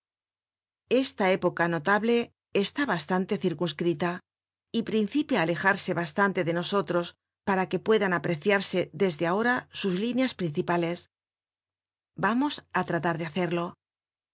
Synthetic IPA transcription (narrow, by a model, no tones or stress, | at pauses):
e̞st̪ae̞po̞kano̞t̪aβle̞ː | st̪aβast̪ant̪e̞θiɾkunskɾit̪a | ipɾin̟θipjaːle̞xaɾse̞βast̪ant̪e̞ðe̞no̞so̞t̪ɾo̞s | paɾake̞pwe̞ðanapɾe̞θjaɾse̞ðe̞zðeao̞ɾasuzlinjaspɾin̟θipale̞s | bamo̞sat̪ɾat̪aɾðeaθe̞ɾlo̞